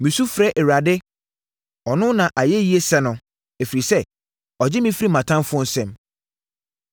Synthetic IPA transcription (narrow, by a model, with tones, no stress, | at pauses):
mĩ˨su˦fɾɛ˦ʔɛ˨ɾa˨dɪ˦ | ɔ˨nʊ̃˦nã˨ʔa˨jɛ˦ji˦e˦sɛ˦nʊ̃˨ | e˨fi˨ɾi˨sɛ˦ | ɔ˨d͡ʑɪ˦mĩ˦fɾi˦mã˨tʰã˦mfʊ˦ɔ˦n̩˦sɛ̃˨m